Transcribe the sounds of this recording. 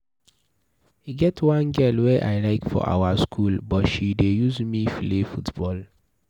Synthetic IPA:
iɡɛtʰwãnɡɛlwɛʔa̰ɪlaɪkfɔ̰ʔa̰waskʰulbɔtʃidejuzmiflefutbɔl

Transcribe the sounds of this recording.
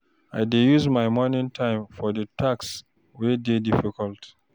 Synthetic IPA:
ajdejuzmajmɔnĩŋtʰãɪ̃mfɔdətʰaks | wededifikɔlt

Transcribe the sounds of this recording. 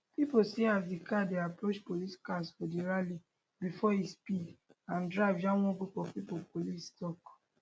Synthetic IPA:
piposiazdikadeapɾot͡ʃpoliskasfɔdiɾali | bifɔispidãndɹaɪvjãw̃ɔ̃ɡupɔpipopolistɔk

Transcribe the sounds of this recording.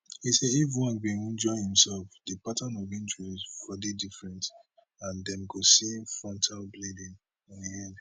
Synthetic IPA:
hisɛdivɹiwãnɡĩnĩnd͡ʒɔɪhĩmsɛlfdipatʰãnɔvĩntʰɹousfɔdidifɹɛ̃nt | ãndɛ̃mɡosifɹɔ̃ntʰalbledĩn | ɔ̃niɛ̃nd

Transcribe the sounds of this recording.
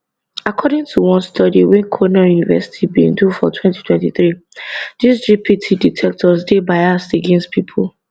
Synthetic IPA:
akʰɔdĩŋtʰuwɔ̃nstʰɔdiwɛ̃nkʰonajunivɛsi̥tʰibḭ̃ndufɔtʰwɛ̃nti̥tʰwɛ̃ntiθɹidisd͡ʒipʰitʰiditʰɛk̚tʰɔsdebaɪasteɡẽnst̚pʰipʰɔl

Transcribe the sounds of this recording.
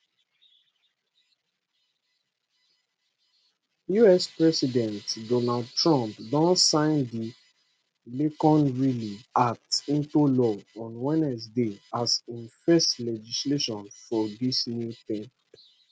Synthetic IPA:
juɛspɹɛsidɛ̃ntdɔnald̚tɹɔ̃mpdɔ̃nsãɪ̃ndi | lekɔ̃nɹiliak̚tĩntulɔɔ̃nwɛ̃nɛsdeasĩnfɛstlɛd͡ʒisleʃɔ̃nfɔdisnjuθẽn

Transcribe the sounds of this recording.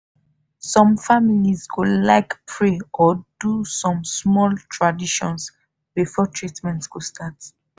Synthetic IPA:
sɔ̃mfamilizɡolaɪkpʰɹeɔd̥usɔ̃msmɔltʰɹadiʃɔ̰̃ns | bifɔtʰɹitmɛ̃ntsɡostʰat

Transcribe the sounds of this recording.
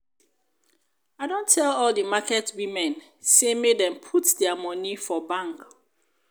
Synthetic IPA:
aɪdõntʰːɛlɔlˠdəmakɛtwimɛ̃n | semedɛ̃mpʰutdɛamɔnifɔbãŋk

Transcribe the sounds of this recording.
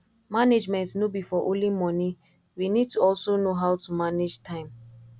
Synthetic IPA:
maned͡ʒmɛ̃ntnobifɔʔõlimɔnĩ | winid̚tuɔlsonoɦaʊtumaned͡ʒtʰãɪ̃m

